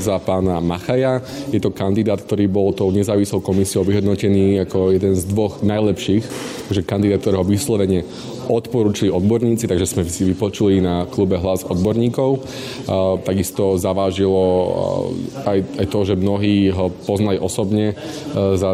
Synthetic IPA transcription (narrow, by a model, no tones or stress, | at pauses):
zapaːnamaxajajɛt̪ɔkand̪id̪aːt̪k̚t̪ɔɾiːbɔlt̪ɔʊɲɛzaːʋislɔʊkɔmisiɔʊʋiɦɔd̪nɔcɛniːakɔjɛd̪ɛnzd̪ʋɔɣnajlɛpʃiːxt̪aʒɛkand̪id̪at̪̚kt̪ɔɾɛːɦɔʋislɔʋɛɲɪɛ | ɔt̪pɔɾuːt͡ʃiliɔd̪̚bɔɾɲiːt͡sit̪aɡʒɛsmɛsiʋipɔt͡ʃulinaklubɛɦlazɔd̪bɔɾɲiːkɔʊ | t̪aɡist̪ɔzaʋaːʒilɔ | ajajt̪ɔʒɛmnɔɦiːɦɔpɔznaliʔɔsɔbɲɛ | za